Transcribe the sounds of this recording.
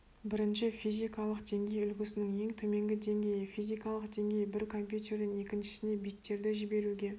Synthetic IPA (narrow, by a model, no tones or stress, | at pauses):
bɪɾɪnʃɪfijzijkɑlˠəqd̪e̞ŋɡʲe̞jʏlɡʲɪsɪnɪŋje̞ŋt̪ʰɵme̞ŋɡʲɪd̪e̞ŋɡʲe̞jɪfijzijkɑlˠəqd̪e̞ŋɡʲe̞jbɪɾkʰo̞mpʲjut̪e̞ɾd̪ɪŋe̞kʲɪnʃɪ̥sɪne̞bik̚t̪ːe̞ɾd̪ɪʒɪbe̞ɾuɡʲe̞